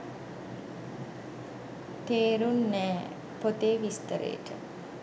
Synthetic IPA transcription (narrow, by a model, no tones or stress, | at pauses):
t̪eːɾunːɛː | pot̪eːʋist̪əɾḛːʈə̰